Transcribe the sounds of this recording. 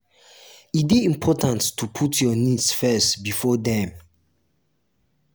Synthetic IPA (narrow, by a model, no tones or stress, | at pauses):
it̚biĩmpʰɔtãntːupʰutʰjɔnidsfɛstbifɔdɛ̃m